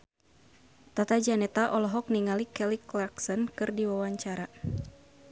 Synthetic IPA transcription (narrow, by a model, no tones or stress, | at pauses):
t̪at̪ad͡ʒanɛt̪aʔɔlɔɦɔk̚niŋalikɛliklaksɔnkɨrdiwawaɲt͡ʃaɾa